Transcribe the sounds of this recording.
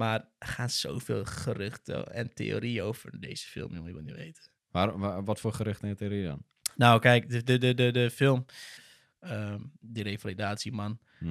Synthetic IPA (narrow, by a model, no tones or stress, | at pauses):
marχaːnso̰ːfḛːlˠχərɪxtə̰ɛ̰ntḛo̰ːɾiowvərdḛːjz̥ə̥fɪ̰lˠmjumjʋə̰lˠniʋḛjtə | ʋaɾʋɔtfoːχəɾʏxtɛnteoɾiədɔ̰n | nowkɛjkdədədədədəfɪlˠm | əmdəɾejfalidaːtsiman